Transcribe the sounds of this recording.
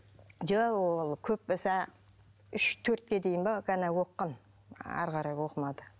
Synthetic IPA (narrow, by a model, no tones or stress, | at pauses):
d͡ʒawolˠkʲʰɵp̚ːɪsɑ | ʏʃt̪ʰɵɾt̪̚kʲe̞d̪ejɪnbɑɡænæwo̞qːɑn | æ̰ɾqɑɾɑjwo̞qəmɑd̪ə